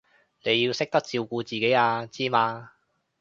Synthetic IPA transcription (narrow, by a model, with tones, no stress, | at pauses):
ne˨˧ji˧wsɪ˥k̚t̪ɐ˥k̚t͡siː˧wkuː˧t͡siː˨ke˨˥jaː˧t͡siː˥maː˧